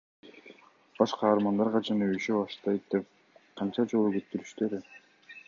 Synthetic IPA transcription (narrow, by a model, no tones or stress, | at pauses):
b̥ɑʃqɑːɾmɑnd̪ɑɾʁɑd͡ʒɑnøyʃøbɑʃt̪ɑjt̪̚d̪ep̚ | qʰɑnt͡ʃɑd͡ʒo̞lˠuɡet̪ːyɾyʃt̪øɾi